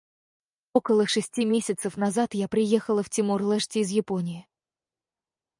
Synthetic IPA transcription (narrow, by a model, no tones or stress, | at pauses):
o̞kəlˠəʂɨsʲtʲimʲesʲɪt̪səfnɐzat̪japɾʲɪjexəlˠəftʲɪmurlˠɛʂtʲɪːzjɪpo̞nʲɪɪ